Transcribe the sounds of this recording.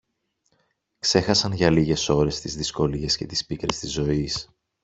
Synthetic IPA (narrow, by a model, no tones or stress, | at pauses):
kse̞xɐsɐnʝɐliʝe̞so̞ɾe̞st̪izðisko̞lie̞sce̞t̪i̥spikɾe̞st̪izo̞is